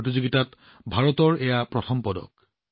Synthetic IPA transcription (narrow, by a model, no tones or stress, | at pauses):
tizoɡitat | bʱaɹɔt̪ɔɹejapɹɔt̪ʰɔmpɔdɔ̰k̚